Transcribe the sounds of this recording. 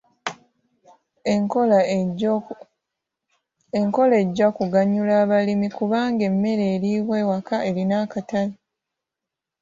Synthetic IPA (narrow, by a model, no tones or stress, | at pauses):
eŋko̞le̞ːɟːakuɡaɲːulaːβalimikuβaːŋɡe̞mːe̞ɾeːliːβwe̞ːwakae̞linaːkatali